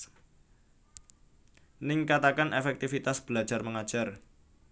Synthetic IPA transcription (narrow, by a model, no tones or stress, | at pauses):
nɪŋkat̪akanʔefɛk̚t̪ifit̪asb̥əlḁd͡ʒ̥arməŋad̥ʒ̥a̤r